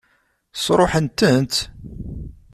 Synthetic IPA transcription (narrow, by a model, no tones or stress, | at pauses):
sɾˤoħənt̪ənt̪